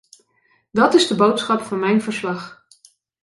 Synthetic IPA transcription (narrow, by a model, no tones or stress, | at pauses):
dɑtɪzdəbowtsχɑpfɑnmɛjnvəɹslɑχ